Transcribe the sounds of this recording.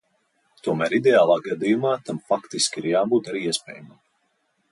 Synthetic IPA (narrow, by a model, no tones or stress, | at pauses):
t̪uɔmæːɾid̪ʲeaːlˠaːɡad̪ijumaːt̪amfakt̪iskʲiɾjaːbuːt̪aɾiːiɛspʲɛ̰ːjamam